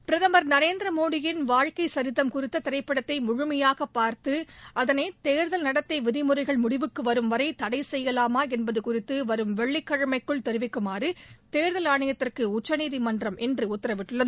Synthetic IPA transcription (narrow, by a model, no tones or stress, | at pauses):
pɪɾɐðɐmɐɾnɐɾeːnd̪ɾɐmoːɽɪjɪnʋaːɻkɐɪsɐɾɪðɐmkʊrɪt̪ːɐt̪ɪɾɐɪpːɐɽɐt̪ːɐɪmʊɻʊmɐjaːɣɐpːaːɾt̪ɯɐðɐneːt̪eːɾðɐlnɐɽɐt̪ːɐɪʋɪðɪmʊrɐɪɣɐɭmʊɽɪʋɯkːɯʋɐɾɯmʋɐɾɐɪt̪ɐɽɐɪsɛjːɐlaːmaːɛnbɐðɯkʊrɪt̪ːɯʋɐɾɯmʋɛɭːɪkːɐɻɐmɐɪkːɯɭt̪ɛɾɯʋɪkːɯmaːrɯt̪eːɾðɐlaːɳɐjɐt̪ːɪrkɯʊt͡ʃːɐniːðimɐndrɐmʔɛndrɯʊt̪ːɪɾɐʋɪʈːɯɭːɐðɯ